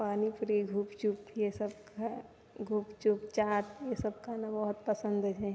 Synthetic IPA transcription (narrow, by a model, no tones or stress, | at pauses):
paːnipɾiɡʱuːpt͡ʃupjesəbka | ɡʱuːpt͡ʃupt͡ʃaːt̪jesəb̚kanabɔɦʊt̪̚pəsə̃nd̪d͡ʒɛ